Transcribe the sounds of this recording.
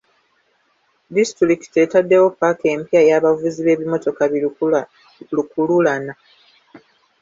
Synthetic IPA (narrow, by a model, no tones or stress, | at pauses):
distɾiki̥te̞tadːe̞wo̞pːake̞ːmpiajaːβavuziβe̞ːβimo̞to̞ka | lukululana